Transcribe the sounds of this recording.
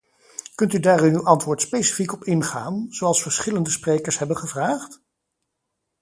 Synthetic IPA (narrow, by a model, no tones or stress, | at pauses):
kɵntydaːrynywʔɑntʋʊːɹtspejsi̥fikɔpɪnχaːnz̥owɑlˠsfəɹsχɪləndəsprejkəɹsɦɛbənχəvraːχt